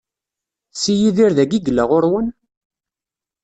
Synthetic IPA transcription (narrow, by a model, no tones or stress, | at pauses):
sijiðiɾðæɡiɡlːəʁʊɾwən